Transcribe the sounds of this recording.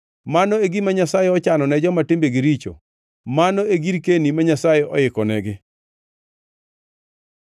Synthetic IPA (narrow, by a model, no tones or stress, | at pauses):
manɔeɡimaɲasajɛɔt͡ʃanɔnɛd͡ʒɔmatɪmbeɡiɾit͡ʃo̰ | manɔeɡiɾkenimaɲasajɛɔ̰ɪkɔnɛɡɪ